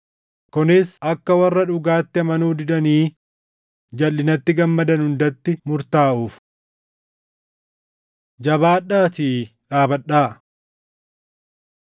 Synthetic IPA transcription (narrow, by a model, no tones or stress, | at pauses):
kʊnɪsɐkːɐwɐrːɐᶑʊɡaːt̪ːɪɐmɐnuːd̪ɪd̪ɐniː | d͡ʒɐlːɪnɐt̪ːɪɡɐmːɐd̪ɐnhʊnd̪ɐt̪ːɪmʊɾt̪aːʔuːf | d͡ʒɐbaːᶑaːt̪iː | ᶑaːbɐɗːaːʔ